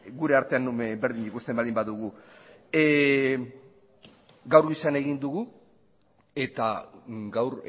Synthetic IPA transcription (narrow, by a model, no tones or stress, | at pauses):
ɡuɾe̞aɾt̪eanːumebe̞ɾðiɲikust̪embalimbaðuɣu | ɡawɾɣisane̞ɣind̪uɣu | e̞t̪a̰ɡawɾ